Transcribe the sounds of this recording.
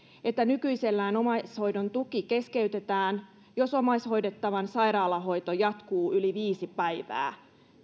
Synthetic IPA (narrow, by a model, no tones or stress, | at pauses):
e̞t̪ːænykyise̞lːæːno̞mɑsho̞jdo̞nt̪ukike̞skeyt̪e̞t̪æːn | jo̞so̞mɑisho̞jdet̪ːɑʋɑnsɑjɾɑːlɑɦo̞jt̪ojɑt̪kuːyliʋiːsipæjʋæ̰ː